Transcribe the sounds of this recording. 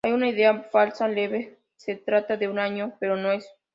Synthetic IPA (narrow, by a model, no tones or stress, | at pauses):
ajunaiðe̞afalsale̞βe | set̪ɾat̪aðeunaɲope̞ɾo̞no̞e̞s